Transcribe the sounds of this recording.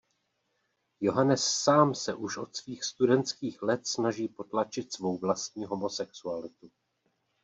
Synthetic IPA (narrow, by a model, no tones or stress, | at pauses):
jo̞ɦanɛsːaːmsɛʔuʃʔo̞t̪sviːxst̪udɛnt̪skiːxlɛt̪snaʒiːpo̞t̪lat͡ʃɪt̪svo̞wvlast̪̚ɲiːɦo̞mo̞sɛksualɪt̪u